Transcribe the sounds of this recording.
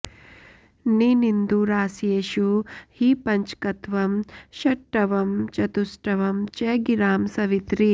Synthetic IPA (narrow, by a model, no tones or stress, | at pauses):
ninind̪uɾaːsjeːʃuhipɐɲt͡ʃkɐt̪ʋɐmʃɐʈːɐʋɐmt͡ʃɐt̪usʈɐʋɐmt͡ʃeːɡiɾaːmsɐʋit̪ɾi